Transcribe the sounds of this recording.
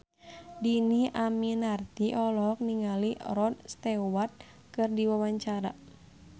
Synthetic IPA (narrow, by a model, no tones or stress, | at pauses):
diniʔaminart̪iʔɔlɔk̚niŋalirɔd̪̚st̪ɛwat̪̚ | kɨrdiwawaɲt͡ʃaɾa